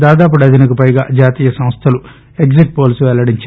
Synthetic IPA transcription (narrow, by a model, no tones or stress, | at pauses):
d̪aːd̪aːp̬uɽɐd̪inɐkupɐjɡa̰ːd͡ʒaːt̪iːjɐsɐmst̪ʰɐlu | e̞kziʈ̚poːlsuʋɛlɐɽiɲt͡ʃ